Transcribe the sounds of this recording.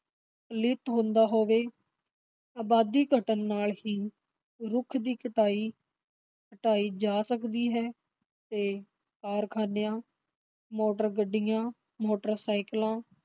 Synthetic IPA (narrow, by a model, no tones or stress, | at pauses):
lɪt̪ɦõːnd̪aːɦoːʋeː | aːbaːd̪iːɡʱəʈənːaːlɦiː | ɾʊkʰd̪iːkəʈaːiː | əʈaːiːd͡ʒaːsəkd̪iːɦɛː | t̪eː | kaːɾkʰaːnejãː | moːʈəɾɡəɖɪjãː | moːʈəɾsaːɪklãː